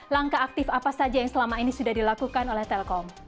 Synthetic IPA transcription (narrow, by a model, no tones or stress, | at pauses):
laŋkaːk̚t̪ɪfapasad͡ʒajaŋsəlamainisudahdilakukanolɛht̪ɛlkɔm